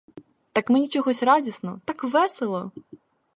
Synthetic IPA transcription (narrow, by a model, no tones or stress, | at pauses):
t̪ɑkmenʲit͡ʃɔɦɔsʲrɑdʲisnɔɔ̰t̪ɑkʋɛselˠɔ